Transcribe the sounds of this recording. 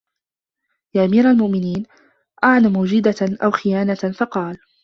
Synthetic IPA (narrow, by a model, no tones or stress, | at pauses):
jaːʔamiːɾalmʊʔmɪniːn | ʔaʕnamʊːd͡ʒɪd̪aʔawxɪjaːnafɑqɑːl